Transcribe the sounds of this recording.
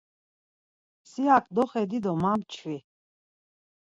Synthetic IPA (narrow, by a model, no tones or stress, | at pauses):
siakʼd̪ɔχɛd̪id̪ɔmamt͡ʃʰvi